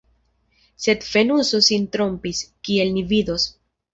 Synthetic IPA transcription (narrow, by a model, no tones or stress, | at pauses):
se̞d̪fe̞nusosint̪ɾo̞mpiskie̞lnivido̞s